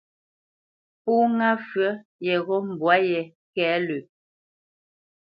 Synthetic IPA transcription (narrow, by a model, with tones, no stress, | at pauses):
pu˦ŋa˦fɥɰə˦jɛ˨ɣɔ˦m̩˨bwa˨˦jɛ˨ | kɛː˨˦lʉ˨